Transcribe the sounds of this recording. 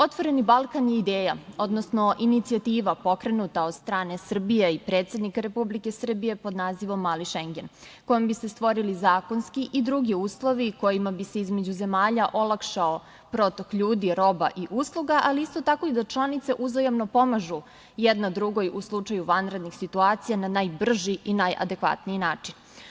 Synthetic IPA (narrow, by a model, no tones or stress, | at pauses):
o̞t̪ʋo̞ɾe̞nibalˠkanjeid̪eːjao̞d̪nosno̞ʔinit̪siat̪iːʋapo̞kɾe̞nut̪aod̪st̪ɾaːne̞sr̩bijeipɾet̪sʲe̞d̪nikaɾe̞publike̞sr̩bije̞po̞d̪naːziʋo̞mːaːliʃeŋɡe̞n | ko̞jombise̞st̪ʋo̞ɾilizaːko̞nskiʔid̪ɾuɡiuːslˠo̞ʋiko̞jimabiseizme̞d͡ʑuze̞maːʎaʔo̞lˠakʃao | pɾot̪okʎuːd̪iɾo̞ba̰ʔiʔuːslˠuɡaʔaliist̪o̞t̪ako̞id̪at͡ʃlˠanit̪seʔuzojamno̞po̞maʒu | jed̪nad̪ɾuɡo̞juslˠut͡ʃajuʋanɾe̞d̪nixsit̪uat̪sijananajbr̩ʒiʔinajʔa̰d̪e̞kʋa̰t̪niinaːt͡ʃin